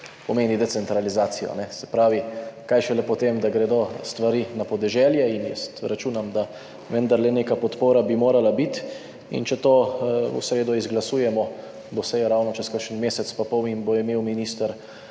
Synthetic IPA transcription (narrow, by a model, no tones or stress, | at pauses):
pɔmeːnid̪ɛsɛnt̪ɾalizaːt̪sijɔ̰nɛsɛpɾaːʋikajʃɛlɛpɔt̪eːmd̪aɡɾɛd̪ost̪ʋaɾiːnapɔd̪ɛʒɛːljɛinjɛ̰st̪ɾat͡ʃuːnamd̪a | ʋɛnd̪aɾlɛneːkapɔt̪poːɾabimoːɾalabit̪ | ḭnt͡ʃɛt̪oːṵsɾeːd̪ɔizɡlasuːjɛmɔ | d̪ɔsɛjɔɾawnɔt͡ʃɛskəɾʃənmeːsɛt̪spapɔwimboimeːwminist̪əɾ